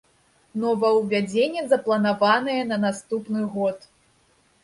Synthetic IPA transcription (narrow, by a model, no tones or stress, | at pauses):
nɔvɐwvʲad͡zʲenʲːɛzɐplˠɐnavanɐjɛnɐnast̪upnɨɣɔt̪